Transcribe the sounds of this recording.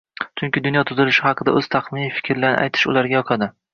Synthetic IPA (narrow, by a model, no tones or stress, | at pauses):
t͡ʃʰʊŋkʲɪd̪ʊnjɒt̪ʰʊzɪlɪʃɪhɑqɨd̪a̰ɵz̥t̪ʰaχmɪnifɪ̥kʲʰɾlaɾnɪ̰ʔa̰jt̪ʰɪ̥ʃʊ̰laɾɡʲajɒqʰɑd̪ɪ